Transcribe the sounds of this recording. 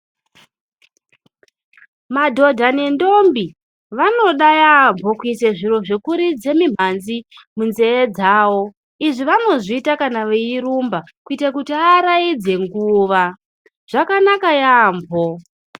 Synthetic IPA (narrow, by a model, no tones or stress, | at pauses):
madʱo̞dʱanendo̞mbi | ʋano̞ɗajambʱo̞kuiseʐiro̞ʐekuɾid͡ze̞mim̤anzimunze̞ːd͡zaːwo̞ | iʐiʋano̞ʐiːtakanaʋeiɾumba | kuitakutiaɾaid͡ze̞ŋɡuːʋa | ʐ̥akanakajaːmbʱo